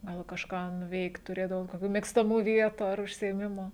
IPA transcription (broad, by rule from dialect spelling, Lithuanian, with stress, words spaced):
ˈɡɐlˠ kɐʃˈkɑː nʊˈʋʲɛɪkt tʊˈrʲeːdɐʋoːt koːˈkʲuː mʲeːkstɐˈmuː ˈʋʲiɛtuː ɐr ʊʃʲsʲɪeːˈmʲɪmʊ